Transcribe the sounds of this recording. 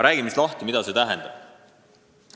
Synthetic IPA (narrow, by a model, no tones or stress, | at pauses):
ɾæːɡ̥imist̪lɑht̪imid̪ɑse̞t̪æɦɛnd̪̥ɑb̥